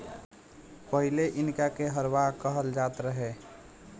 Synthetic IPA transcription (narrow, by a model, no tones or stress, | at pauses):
pəɦɪleʔɪnkakeɦəɾʋakəɦəld͡ʒaːt̪ɾəɦeː